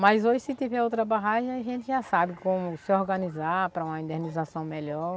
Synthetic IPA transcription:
mɐjzoʒɪsɪt̪ivɛɾowt̪ɾɐbaɦaʒɐ̃aʒẽnt̪ɪʒasabɪkõmʊsɪoɾɡɐnizaɾpɾɐũmɐĩd̪enizasɐ̃w̃mɛʎɔɾ

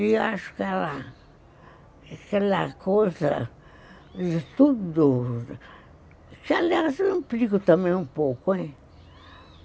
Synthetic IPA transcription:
iaʃʊ̥kɛla | kɛlakozɐ | d̪t̪ud̪ʊ | kalasĩplikʊt̪ɐmẽj̃ũpokʊɛ̃

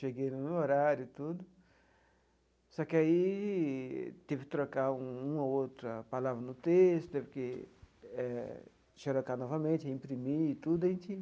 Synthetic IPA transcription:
ʃeɡejnʊmeoɾaɾjʊt̪ud̪ʊ | sɔkɪai | t̪evɪkɪ̥t̪ɾokaũũmɐowt̪ɾɐpalavɾɐnʊt̪est̪ʊ̥t̪evɪkɪ | ɛ | ʃeɾokanɔvɐmẽnt͡ʃɪĩpɾimit̪ud̪ʊɐẽt͡ʃɪ

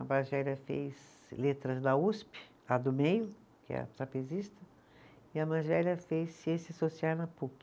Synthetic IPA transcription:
ɐbaʒɛlɐfḛjz | let̪ɾɐzd̪ɐuspɪ̥ | ɐd̪ʊmejʊ | kɪɛ̰ɐ̰sapezist̪ɐ | ɪɐmaʒɛlɐfejsesɪasosiaɾnɐpuk

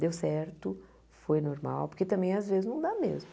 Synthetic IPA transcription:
d̪ewsɛɾt̪ʊ | fojnoɾma̰wpoɾket̪ɐ̃mbẽj̃azvezɪznɐ̃w̃d̪amḛzmʊ

